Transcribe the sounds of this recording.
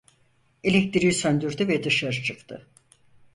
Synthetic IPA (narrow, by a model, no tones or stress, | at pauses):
e̞lʲɛc̚t̪ʰiɾijsønd̪yɾd̪yvɛd̪ɯʃaɾɯt͡ʃʰɯkt̪ʰɯ